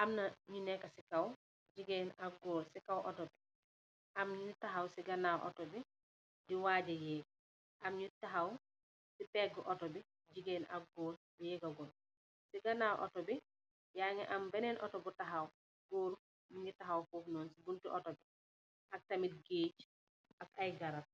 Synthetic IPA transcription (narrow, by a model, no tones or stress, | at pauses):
ʔɐmnɐɲunɛkːɐsikɐw | ɟiɡɛnɐɡɔːlsikɐwʔɔ̰tɔbi | ʔɐmɲutaɦawsiɡɐnawʔɔ̰tɔbi | diwaːɟɐjɛː | ʔɐmɲutaɦaw | sipɛɡəʔɔtɔbi | ɟiɡɛːna̰ɡɔːl | jɛːɡaɡɔn | siɡɐnawʔɔ̰tɔbi | jaŋɛ̰ʔambɛnɛnʔɔtɔbutaɦaw | ɡoːɾu | miɲitaɦawfɔːfnɔːnsibuntiʔɔtɔbi | ʔɐk̚tɐmit̚ɡeːt͡ʃ | ʔakajɡaɾat̚